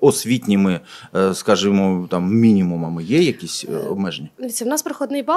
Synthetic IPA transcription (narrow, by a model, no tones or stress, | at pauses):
ɔsʲvʲit̪ʲnʲimɨskaʐɨmt̪amːʲinʲimʊmɐmɨjejɐkʲisʲɔ̰bmɛʐnʲɪd̪ɐʋʲitʲsʲɐwnaspɾɐxɔd̪nɨjba